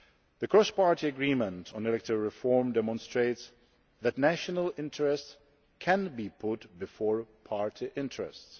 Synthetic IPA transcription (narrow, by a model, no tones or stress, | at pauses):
ðəkʰɹ̥ɔspɑɹtiəɡɹimə̃ntʰn̩ɛlɛk̚tɪvɹɪfɔɹmdɛmɔ̃nstɹ̥eɪts | ðætnæʃənəlɪ̃ntʰəɹɛst | kʰæ̃nbipʰʊtbɨfɔɹpʰɑɹtʰiʔɪ̃ntɹɛ̰sts